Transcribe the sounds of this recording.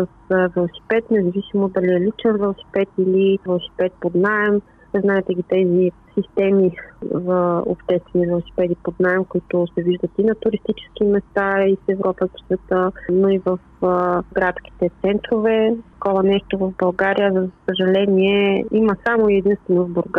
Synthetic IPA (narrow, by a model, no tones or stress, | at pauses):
səsvɛlˠosi̥pɛt̪nɛzɐvisimod̪ɐliɛlit͡ʃɛnvɛlˠosi̥pɛt̪ilivɛlˠosi̥pɛt̪̚pod̪naɛm | znaɛt̪ɛɡʲit̪ɛzisist̪ɛmizəo̰pʃt̪ɛst̪vɛnivɛlˠosi̥pɛd̪ipod̪naɛmkoit̪ʊsɛviʒd̪ət̪inɐt̪ʊɾist̪it͡ʃɛ̥skimɛst̪aisɛvɾɔpət̪svɛt̪ənoivəf | ɡɾat̪ski̥t̪ɛt̪sɛnt̪ɾovɛkɔvɐnɛʃt̪ovɐvbɐlˠɡaɾijəzəsəʒɐlɛniɛiməsamoiɛd̪inst̪vɛnovboɾɡa